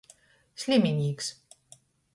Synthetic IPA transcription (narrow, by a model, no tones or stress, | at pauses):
sʲlʲemʲinʲiːks